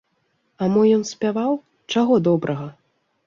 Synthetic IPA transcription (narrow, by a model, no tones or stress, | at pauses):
amɔjɔnsʲpʲavaw | t͡ʂaɣɔd̪ɔbɾʔɐɣɐ